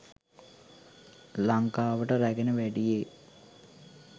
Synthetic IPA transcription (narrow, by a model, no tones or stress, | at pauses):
laŋkaːʋəʈəɾæɡenəʋæɖije